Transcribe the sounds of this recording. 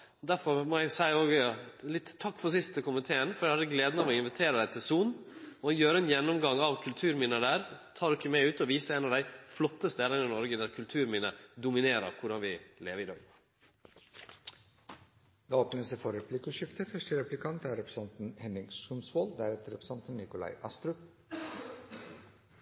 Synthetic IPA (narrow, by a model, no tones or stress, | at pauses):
ɔd̪æɾfɔɾmɔːæɪsæɪoːɡlɪt̪ʰːɑkːfɔɾsɪst̪əkʊmɪt̪ʰeːənfɔɾjæɪhɑd̪əɡleːd̪nɑʋɔɪnʋɪt̪ʰeːɾəd̪æɪt̪ʰɪlsuːnɔjøːɾəɛnjɛnːɔmɡɑŋɑʋkʰʉlt̪ʰʉːɾmiːnəd̪æːɾt̪ʰɑːɾɪkːəmæɪʉːt̪ɔʋiːsəɾeːnɑʋd̪æɪflɔt̪ːəst̪eːd̪ənɪnɔɾɡəd̪æɾkʰʉlt̪ʰʉːɾmiːnəd̪ʊmɪneːɾə̰ɾkʰʊɖɑnʋɪleːʋəɾɪd̪ɑ̰ːɡ | d̪ɑːɔp̚nɛnəsefɔɾɛpʰlɪkʊʃɪft̪əfœʂʈəɾɛplɪkʰɑnt̪æːɾɛpɾə̥sɑnt̪n̩hɛnɪŋsʉmsʋoːld̪æɾɛt̪əɾɛpɾsɑnt̪n̩nɪkʊlɑ̰ɪʔɑst̪ɾʉp